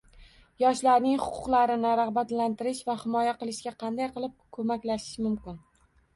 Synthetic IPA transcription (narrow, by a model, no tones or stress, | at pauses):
jɒʃlaɾnɪŋχʊ̥qʰʊ̥qlˠaɾɪnɪɾahbat̪lant̪ɪɾɪʃvahɪmɒjaqɨlˠɪʃɡʲaqʰɑnd̪ajqɨlˠɪp̚kʰɵmakʲlaʃɪ̥ʃmʊmkʲɪn